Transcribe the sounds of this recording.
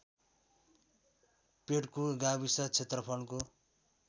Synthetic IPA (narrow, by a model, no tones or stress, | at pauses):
peʈkoɡabisʌt͡sʰet̪rʌpʰʌlko